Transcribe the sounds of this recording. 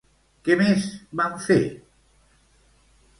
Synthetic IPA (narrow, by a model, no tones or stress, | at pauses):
kemezbaɱfḛ